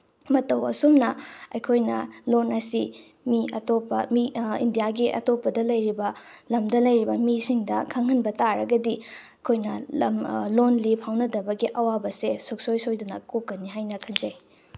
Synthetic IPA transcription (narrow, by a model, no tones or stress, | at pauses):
mɐtɐwɐ̰sumnɐɐjkʰojnɐlonɐsi | miɐtopːɐmiḭndijaɡiʔɐ̰topːɐdɐlɐjɾibɐlɐmdɐlɐjɾibɐmisiŋdɐkʰɐŋhɐnbɐtaɾɐɡɐdi | kʰojnɐmlonlipʰawnɐdɐbɐɡiʔɐwabɐsesok̚sojsojdunɐkokːɐnːiɦajnɐkʰɐnd͡ʒɐj